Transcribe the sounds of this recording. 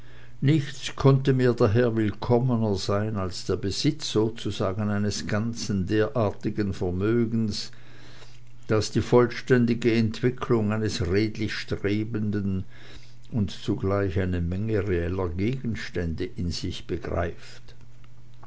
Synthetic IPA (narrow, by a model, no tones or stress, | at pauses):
nɪçt͡skʰɔntəmiːɐdaɦeːɐvɪlkʰɔmənəz̥aɪnalsd̥eːɐbəz̥ɪt͡sz̥oːt͡suzaːɡənaɪnəsɡ̥ant͡sn̩deːɐʔaːɐtɪɡənfɛɐmøːɡn̩s | d̥asd̥iːfɔlʃtɛndɪɡəɛntv̥ɪkʰlʊŋaɪnəsʁeːdlɪçʃtʁ̥eːbəndən | ʊntt͡suɡlaɪçaɪnəmɛŋəʁeɛlɐɡeːɡən̩ʃtɛndəʔɪnz̥ɪçb̥əɡʁa̰ɪft